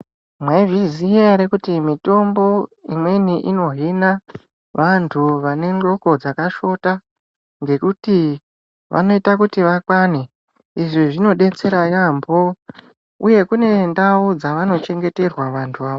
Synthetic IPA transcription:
mweviziaɾekutimito̞mbo̞imwe̞niʔino̞ɦina | ʋantʰuʋane̞nro̞ko̞d͡zakaʃo̞ta | ŋɡe̞kuti | ʋʔa̰no̞itakutiʋakwane | iʐiʐino̞ɗe̞t͡se̞ɾajambo | ṵje̞kune̞ndaud͡zaʋano̞t͡ʃe̞ŋɡe̞te̞rwaʋantʰuʋaːʋo

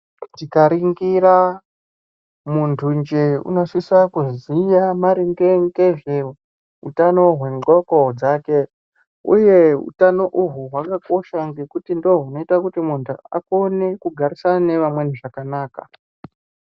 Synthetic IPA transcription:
tikaɾiŋɡiɾa | muntʰund͡ʒeṵnoʂisakuzijamaɾiŋɡeŋɡeʐe̞ | ɦṵtano̞ɦwe̞ŋokod͡zaːke̞ | ṵje̞ṵtano̞ʔuɦuɦwakako̞ʃaŋɡe̞kutindoɦuno̞itakutimuntʰua̰ko̞ne̞kuɡʱaɾisanane̞ʋamwe̞niʐakanaːka̰

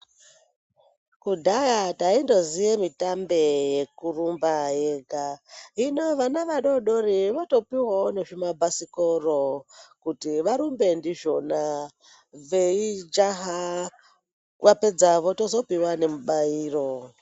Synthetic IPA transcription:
kudʱajataindo̞zijemitambe̞je̞kurumbajeɡʱaɦinoʋanaʋaɗo̞ɗoriʋato̞piwoneʐimabʱasikorokutiʋaɾumbe̞ndiʒo̞na | ʋeid͡ʒaɦa | ʋape̞d͡zaʋotozo̞piwane̞muɓaiːro

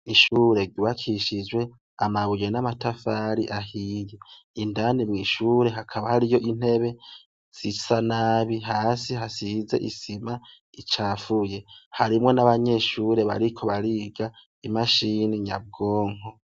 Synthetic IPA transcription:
iʃuːɾe̞ɟuβakʰiʃid͡ʒwe̞ | amaβuje̞namatafaːɾiʔahiːje | indanimŋiːʃuːɾe̞ɦakʰaβahaɾijo̞ʔin̥he̞βe̞ | z̥isanaːβiɦaːsiɦasize̞̰ʔisima | it͡ʃaːfuje̞haɾimŋe̞naβaɲe̞ːʃuɾe̞βa̰ɾikʰo̞βaɾiɡa | imaʃiniɲab̚ɡoːŋ̥o̞

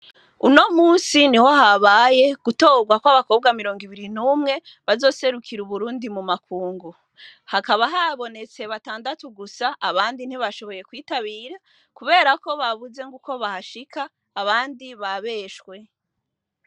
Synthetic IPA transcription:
uno̞muːnsiniho̞ɦaβaje̞ɡ̥uto̞ːɡwakwaβako̞ːb̚ɡamiɾo̞ːŋɡiβiɾinuːmŋe̞ | βazo̞ːse̞ɾukʰiɾuβuɾuːndimumakʰuːŋɡu | hakaβaɦaβo̞ne̞t͡se̞βataːndatuɡusaʔːβaːndin̥hiβaʃo̞βo̞je̞kwiːtaβiːɾa | kuβe̞ːɾako̞βaβuze̞ŋɡuko̞βahaʃikʰaː | βaːndiβaβe̞ʃkwe̞

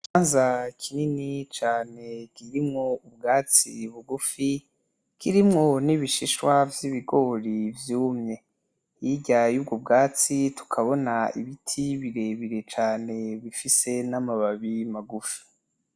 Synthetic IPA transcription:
t͡ʃaːnzakʰininit͡ʃaːne̞kiɾimŋoubɡaːt͡sḭβuɡufi | kiɾimŋo̞niβiʃiʃwavjiβiɡo̞ːɾivjuːmɲe̞ | jiɟajuːb̚ɡob̚ɡaːt͡situ̥kʰaβo̞naḭβitʰiβiɾe̞βiɾe̞t͡ʃaːne̞βifise̞namaβaβimaɡufi̥

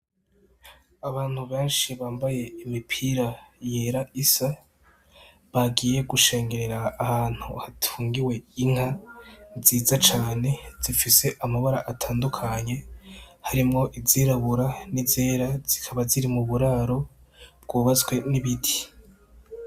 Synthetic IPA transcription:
aβaːn̥huβe̞ːnʃiβaːmbaje̞imipʰiɾaje̞ɾaisa | βaɡiːje̞ɡuʃe̞ːŋɡe̞ɾe̞ɾaːhaːn̥huhatʰuːŋɡiwe̞iŋ̥ha | ziːzat͡ʃaːne̞z̥ifise̞ʔamaβaɾaʔatʰaːndukʰaɲe̞haɾimŋo̞ʔiziɾaβuɾanizeːɾaz̥ikʰaβaziɾimuβuɾaːɾo̞ | b̥̚ɡuːβazɡwe̞niβidi̥

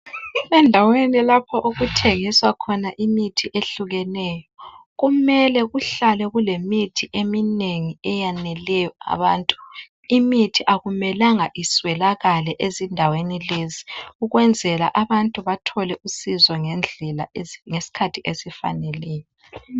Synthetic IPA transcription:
ɛndʱawenilapʰɔʔuɣutʰeŋiswakʰɔnaʔimitʰiʔeɬuɣɛnɛjɔɣumɛlɛɣuɬalɛɣulemitʰiʔemineŋiɛjanɛlɛjɔa̰βaːntʼu̥ | imitʰiʔaɣumɛlaŋaʔiswɛlaɣalɛʔezindʱawenileziuɣwɛnd͡zʱɛla̰ʔaβantʼuβatʰɔlɛʔusizɔŋɛnd͡ɮʱɛla̰ŋesi̥kʰatʰiʔesifa̰nɛlɛːjɔ

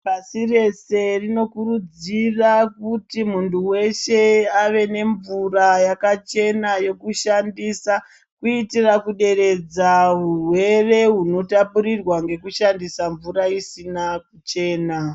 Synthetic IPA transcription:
pasire̞se̞rino̞kurud͡zirakutimuntuwe̞ʃe̞aʋe̞ne̞ɱvurajakat͡ʃe̞najo̞kuʃandisa | kuitirakuɗe̞ɾe̞d͡zaɦurwe̞re̞ɦuno̞tapuɾirwaŋɡe̞kuʃandisaɱvuɾaisinak̚ut͡ʃe̞ːna

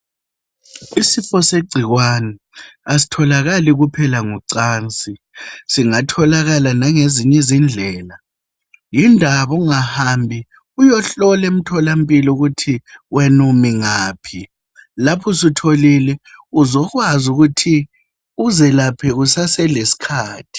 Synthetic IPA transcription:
isifɔseɡ͡ǀʱiɣwanɛ | asi̥tʰɔlaɣaliɣupʰɛlaŋuǀaːnt͡sʼi | siŋatʰɔlaɣalanaŋeziɲɛzind͡ɮʱɛːla | jindʱaβɔŋahambʱi | ujɔɬɔlem̩tʰɔlam̩pʼilɔuɣutʰiwɛnumiŋaːpʰi | lapʰɔsitʰolilɛuzɔɣwazuɣutʰi | uzɛlapʰɛɣusasɛlesi̥kʰaːtʰi̥

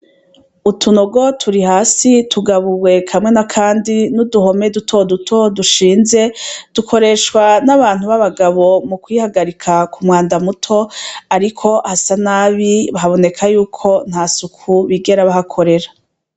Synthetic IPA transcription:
utʰuno̞ɡo̞tʰuɾihaːsitʰuɡaβuwe̞kʰamŋe̞nakʰaːndinuduɦo̞me̞dutʰo̞dutʰo̞duʃiːnze̞d̥ukʰo̞ɾe̞ːʃkwanaβaːn̥huβaβaɡaβo̞mukwihaɡaɾikʰakʰumŋaːndamutʰo̞aɾikʰo̞hasanaːβiβaɦaβo̞ne̞kʰajuːkʰo̞n̥haːsukʰuβiɡe̞ɾaβahakʰo̞ɾe̞ɾa

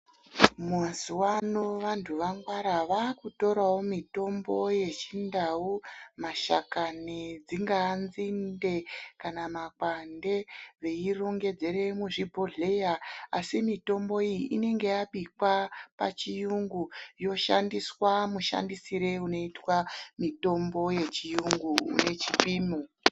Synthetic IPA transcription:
muazuwano̞ʋantʰuʋaŋɡwaɾaʋakuto̞ɾawo̞mito̞mbo̞je̞t͡ʃindaumaʃa̰kanid͡ziŋɡaːnzinde̞kanamakwande̞ʋe̞iro̞ŋɡe̞d͡ze̞ɾe̞muʐibʱo̞ɮe̞jaasimito̞mboijiʔine̞ŋɡe̞jaɓikwapa̰t͡ʃijuŋɡujo̞ʃandiswamuʃa̰ndisiɾe̞uno̞itwamito̞mbo̞je̞t͡ʃijuŋɡuṵne̞t͡ʃipiːmo

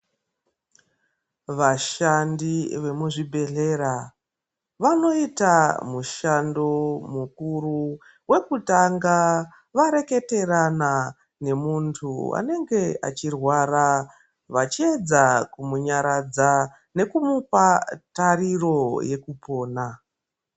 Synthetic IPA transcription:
ʋaʃandiʋe̞muʐibʱe̞ɮe̞ɾa | ʋano̞itamuʃando̞mukuɾu | we̞kutaŋɡa | ʋaɾe̞ke̞te̞rana | ne̞muntʰua̰ne̞ŋɡe̞a̰t͡ʃirwaɾa | ʋat͡ʃie̞d͡zakumuɲaɾad͡za | ne̞kumupatariro̞je̞kupo̞ːna

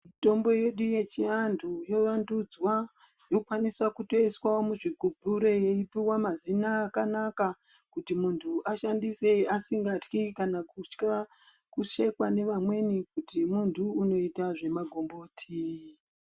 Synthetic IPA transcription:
mito̞mbo̞je̞ɗuje̞t͡ʃiandʰʱujo̞ʋandud͡zwa | jo̞ukwanisakuto̞iswaomuʐiɡʱubʱuɾo̞je̞ipiwamazinaːkanaka | kutimuntʰuʔaʃandise̞iasiŋɡatkikanakut͡ʃka | kuʃe̞kwane̞ʋamwe̞nikutimuntʰuːno̞itaʐe̞maɡʱo̞mbo̞ːtʰi

